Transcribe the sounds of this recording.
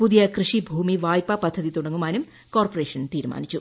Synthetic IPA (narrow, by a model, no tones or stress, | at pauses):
puðijɐkrɨʂibʱuːmiʋaːjpɐpɐd̪ʱːɐðit̪uɽɐŋɡumaːnum | koːrporeːʂɐnt̪iːɾuma̰ːnit͡ɕːu